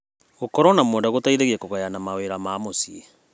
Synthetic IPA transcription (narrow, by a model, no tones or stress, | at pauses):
ɣokɔɾɔnamwɔːndaɣotaiɾeɣɛkoɣajanamaweɾamaːmosie